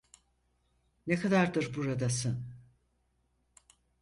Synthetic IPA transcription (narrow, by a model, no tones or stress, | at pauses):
nekʰad̪aɾd̪ɯɾbuɾad̪asɯ